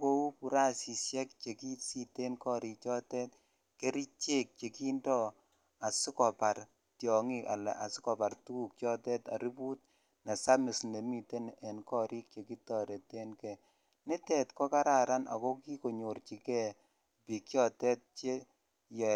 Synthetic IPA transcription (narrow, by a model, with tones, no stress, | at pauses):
ko˦u˦pu˨ɾa˦si˨sjɛ˦k̚t͡ʃe˨ki˦si˦te˦nkɔ˦ɾi˨kt͡ʃɔ˦tɛ˦t | ke˦ɾi˦t͡ʃe˦k̚t͡ʃe˨ki˦ndɔ˦ | a˨sɪ˦kɔ˨pa˨r | tjɔ˨ŋi˦a̰˨lɛ̰˨a˨sɪ̥˦kɔ˨pa˨rtu˦˨k̚t͡ʃɔ˦tɛ˦ta̰˨ɾi˦pu˦t̚ | na˨sa˦mɪ˨sne˨mi˨te˦nɛ˨nkɔ˦˨ɾi˦k̚t͡ʃe˨ki˦tɔ˨ɾe˨te˦nkɛ˨ | nɪ˦tɛ˨tkɔ˦ka˦ɾa˨ɾa˦na̰˨kɔ˦ki˦ko˨ɲo˨rt͡ʃi˨kɛ˦˨ | pi˨kt͡ʃjɔ˦tɛ˦t̚t͡ʃe˦ | jɛ˨